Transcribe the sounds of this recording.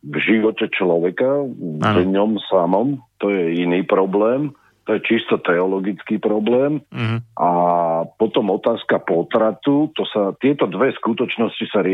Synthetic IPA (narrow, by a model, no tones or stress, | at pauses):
vʒiʋɔcɛt͡ʃlɔʋɛkadɲɔmsamɔmt̪ɔjɛiniːpɾɔblɛːm | t̪ɔjɛt͡ʃist̪ɔt̪ɛɔlɔɡit͡skiːpɾɔblɛːmʔapɔt̪ɔmɔt̪aːskapɔt̪ɾat̪ut̪ɔsat̪ɪɛt̪ɔd̪ʋɛskut̪ɔt͡ʃnɔscisaɾɪ